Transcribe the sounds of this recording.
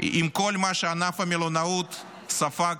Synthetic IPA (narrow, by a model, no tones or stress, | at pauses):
imkolʲmaʃeanafɐmʲilonaut̪ | safa